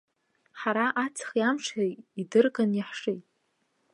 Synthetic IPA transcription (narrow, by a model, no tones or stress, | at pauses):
ħaɾaʔat͡sʰχjamʂejidɨrɡʼanjaħʂejtʼ